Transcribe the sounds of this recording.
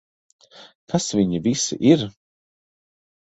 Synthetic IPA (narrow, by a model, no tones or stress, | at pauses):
kʰasviɲivisḭʔiɾ